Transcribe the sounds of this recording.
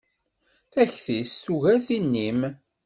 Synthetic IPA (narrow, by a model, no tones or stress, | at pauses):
θæçθisθuʝæθinːim